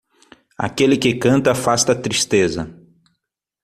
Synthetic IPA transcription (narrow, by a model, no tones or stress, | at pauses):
a̰kelɪkɪkɐ̃nt̪ɐfast̪ɐt̪ɾist̪ezɐ̰